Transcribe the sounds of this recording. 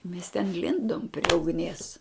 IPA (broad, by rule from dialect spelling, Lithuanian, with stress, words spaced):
mʲɛs tʲɛn ˈlʲɪndoːm pʲrʲiɛ ʊɡˈnʲiɛs